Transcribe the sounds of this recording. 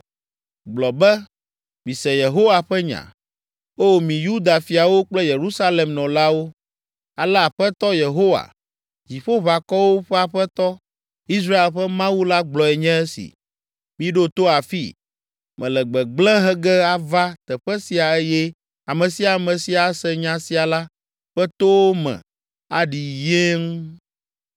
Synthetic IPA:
ɡ͡blɔ˨bɛ˦ | mĩ˨sɛ˨je˨ɦo˦wa˨ɸɛ˦ɲã̰˨ | o˦˨mĩ˨ju˦d̪a˨fi˨a˨wo˦k͡plɛ˦je˨ɾu˦sa˦le˨mnɔ̃˨la˦wo˦ | a˨lɛ˦a˨ɸɛ˦t̪ɔ˦je˨ɦo˦wa̰˨ | d͡ʑi˨ɸo˦βa˨kɔ˦wo˦ɸɛ˦a˨ɸɛ˦t̪ɔ˦ | i˦s̬ɾa˦e˨lɸɛ˦mã˦wu˦la˦ɡ͡blɔ˨ɛ˨ɲɛ̃˦ɛ˦sḭ˨ | mĩ˦ɖo˦t̪o˦a˨fḭ˦ | mɛ̰̃˨lɛ˨ɡ͡bɛ˨ɡ͡blɛ̃˦ɦɛ˦ɡɛ˦a˨va˦t̪ɛ˨ɸɛ˦si˨a˨ɛ˦jɛ˦ | a˨mɛ̃˨si˨˦a˨mɛ̃˨si˨a˨˦sɛ˦ɲã˦si˨a˨la˦ | ɸɛ˦t̪o˦wo˦mɛ̰̃˨ | a̰˦ɖi˨je˦ŋ˦

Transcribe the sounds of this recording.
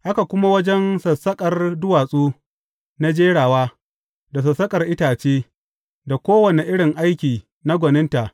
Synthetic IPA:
ʔa˦ka˨kʷʊ˦ma˦wɐ˦d͡ʒɛ˦nsɐ˨sɐ˦kʼɐ˨rdʊ˦waː˨sʼuː˦ | na˦d͡ʒeː˦ɽaː˨waː˦ | da˨s̬ɐ˨sːɐ˦kʼɐ˨rʔɪ˦taː˨t͡ʃeː˦ | da˨kʷoː˦wɐ˨ne˨ʔɪ˦ɽɪ˨ŋʔa˦jkʲiː˨ | na˦ɡʷɔ˨nɪ˦nta˨ʔ

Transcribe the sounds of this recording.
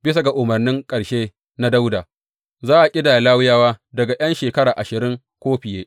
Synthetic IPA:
bɪ˦s̬a˨ɡa˨ʔʊ˨mɐ˨rnɪ˦ŋkʼɐ˨ɽʃeː˦ | na˦da˦wda˨ | zaː˦ʔa˨kʲʼɪ˦daː˨jlaː˦wʊ˦jaː˦waː˦dɐ˨ɡa˨j̰ɐ˦nʃeː˨kɐ˦ɾaː˨ʔa˨ʃɪ˨ɾɪ˦ŋ | kʷoː˦ɸɪ˨jeː˦

